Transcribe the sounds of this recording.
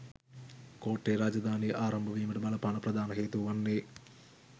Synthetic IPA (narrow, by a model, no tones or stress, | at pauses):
koːʈːeːɾaːd͡ʒɐd̪ʱaːniʔaːɾɐmbʱɐʋiːmiʈɐbɐlɐpɐɳɐpɾɐd̪ʱaːnɐɦeːt̪uʋɐnːe